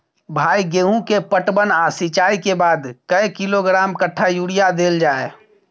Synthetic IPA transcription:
bʱaːiɡeːɦũkepəʈbənaːsit͡ʃaːikebaːd̪kəekɪloɡɾaːmkəʈʰːajuːɽijad̪eːld͡ʒaːe

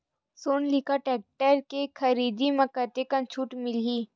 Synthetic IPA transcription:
soːnlɪkaʈɛːk̚ʈəɾkekʰɐɾiːd̪imɐkət̪ekɐ̃nt͡ʃʰuːʈmɪliː

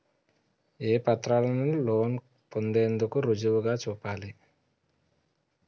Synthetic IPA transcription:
eːpɐt̪ɾaːlɐniloːn | pond̪e̞ːnd̪ukuɾud͡ʒuʋuɡaːt͡ʃuːpaːli

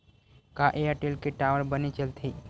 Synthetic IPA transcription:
kaʔeaʈelkeʈaːʋəɾbənit͡ʃəlt̪ʰi

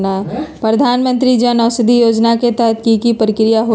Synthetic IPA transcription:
napɾəd̪ʱaːnmə̃nt̪ɾid͡ʒənɔːsɪd̪ʱijoːd͡ʒnaket̪əɦət̪̚ʰkikipɾɪkɾijaɦo

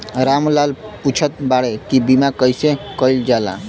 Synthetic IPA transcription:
ɾamlalput͡ʃʰət̪̚baɽekibimakəjsekəjld͡ʒala̰

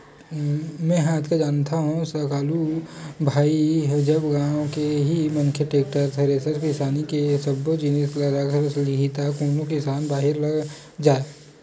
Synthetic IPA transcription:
mɛ̃ɦaːt̪ʰkad͡ʒaːnt̪aɦũsɐkaːlubʱaːiɦd͡ʒɐbɡãːõkeɦimɐŋkʰjeʈeːk̚ʈəɾt̪ʰɐɾeːsəɾkɪsaːnikesɐbod͡ʒinəslɐɾakɾslɪɡit̪akoːnokɪsaːnbaːɦɪɾlɐɡ | d͡ʒaːe

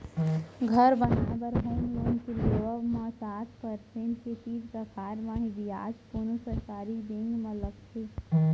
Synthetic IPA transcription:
ɡʱəɾbənaabəɾɦoːmloːnkeloəbmãsat̪ʰpəɾsẽɳʈket͡ʃiːd͡ʒkəkʰaɾmãɦib̪ia̰d͡ʒpunusəɾkaːɾid̪ẽŋɡmə̃ləkt̪ʰe

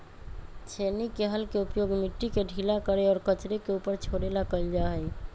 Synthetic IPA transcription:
t͡ʃʰenikeɦəlkeupjoɡmiʈːikeɖʱilakəɾeɔːɾkət͡ʃɾekeupəɾt͡ʃʰoɽelakəld͡ʒaɦəj

